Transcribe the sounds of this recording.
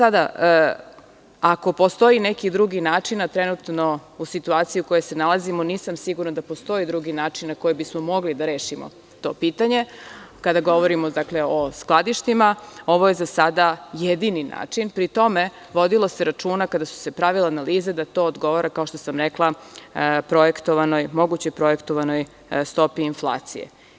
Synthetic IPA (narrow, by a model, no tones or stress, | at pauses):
sad̪a | ako̞po̞st̪o̞inekid̪ɾuɡinaːt͡ʂinat̪ɾenut̪no̞usit̪uaːt̪sijiuko̞je̞jsenalˠazimoniːsamsiɡuɾnad̪apo̞st̪o̞id̪ɾuɡinaːt͡ʃinːako̞jebismomo̞ɡlid̪aɾe̞ːʃimo̰ | t̪o̞̰piːt̪aɲe̞kad̪aɡo̞ʋoɾimod̪akleosklˠad̪iʃt̪imao̞ʋo̞je̞zasad̪ajed̪inina̰ːt͡ʂinpɾit̪o̞me̞ | ʋo̞d̪ilˠose̞ɾat͡ʃuːnakad̪asu̥se̞pɾaʋilˠaːnaliːzed̪at̪o̞ːod̪ɡo̞ʋoɾakao̞ʃt̪osamɾeklˠa | pɾo̞je̞kt̪oʋano̞jmo̞ɡut͡ɕojpɾo̞je̞kt̪o̞ʋano̞j | st̪o̞piːnflˠa̰ːt̪sḭjḛ